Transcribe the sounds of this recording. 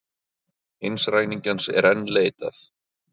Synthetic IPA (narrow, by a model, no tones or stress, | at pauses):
ejnsraːjniɲcansɛ̰ɾɛnːleːjt̪a̰θ